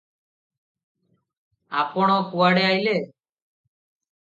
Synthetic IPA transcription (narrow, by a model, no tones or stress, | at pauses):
a̰pɔɽ̃ɔkuaɽeajle